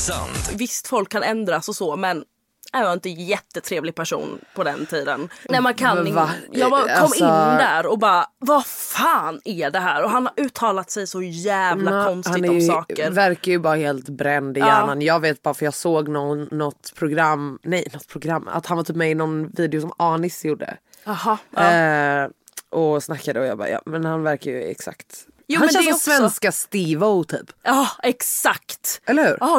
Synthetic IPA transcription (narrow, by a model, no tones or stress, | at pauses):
sa̰nt̪vɪst̪fɔlkʰːanɛnd̪ɾasɔsɔmɛn | hɛjvaɪnt̪əjɛt̪ːət̪ʰɾeːvlɪɡ̚pʰæʂṵːnpʰɔd̪ɛnt̪ʰiːd̪ə̰nnɛmankʰanajɑːbkʰɔmːɪɔnːd̪æːɾɔbɑːvafɑːnæɖɛɦæːɾɔɦanhaɾʔʉ̟ːt̪ʰːɑːlat̪sɛjsɔjæːvlakʰɔnsthanɪɛɔjmsɑːkəɾvæɾkajɵbɑːɾaheːlt̪bɾɛnd̪ɪjæːɳanjɑːɡveːt̪̚bɑaɾfəɾjɑːɡsoːɡnɔːɔt̪pʰɾʊɡɾamːnɛjnɔt̪ːpʰɾʊɡɾamːa̰t̪hanvat̪ʰyːpmɛjɪnɔnviːd̪ɛʊsɔmɑːnɪsjuɖːə̰ | h | ʔɔsnakːad̪əɔjɑ̰ːɡbɑ̰ːjɑ̰ːmɛnhanvæɾkajʉ̰ɛ̰ksa̰kt̪ | juːhansvɛnskast̪ɪvoʊt̪ʰy̰ːpːɛksakt̪ɛlːəɾhʉ̟ːɾ